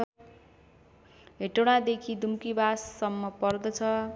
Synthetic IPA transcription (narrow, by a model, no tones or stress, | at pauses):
ɦeʈoɽ̃ad̪ekʰid̪umkibasːʌmːʌpʌrd̪ʌt͡sʰʌ